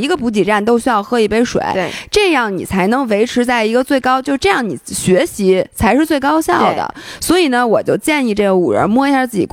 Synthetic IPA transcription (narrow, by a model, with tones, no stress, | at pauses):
i˧˥ɡə˧pu˧˥t͡ɕi˨˩ʈ͡ʂa˥˩nt̪̬o˥ʊɕy˥jɑ˥˧ʊxɤ˧˥i˨˩pe˥˩ɪʂwḛ˨˩ɪ˧ʈ͡ʂɤ˥˧jɑ˥˩ŋnḭ˨˩t͡sʰa˧˥ɪnɤ˧˥ŋwe˧˥ɪʈ͡ʂʰɻ̩˧˥t͡sa˥˩ɪi˧˥ɡə˧t͡swe˥˩ɪkɑ˥ʊt͡ɕjo˥˧ʊʂɻ̩˥ʈ͡ʂɤ˥˧jɑ˥˩ŋnḭ˨˩ɕɥɛ˧˥ɕi˧˥t͡sʰa˧˥ɪʂɻ̩˥˧t͡swe˥˩ɪkɑ˥ʊɕjɑ˥˩ʊd̪ə̰˩swɔ˧˥i˨˩nə˦wɔ˨˩t͡ɕjo˥˧ʊt͡ɕjɛ˥˧ni˥˧ʈ͡ʂɤ˥˩ɡə˩u˨˩ɻə̰˧˥mwɔ˥˧i˧˥˩ja˥˧˩t͡sɹ̩˥˩t͡ɕḭ˨˩k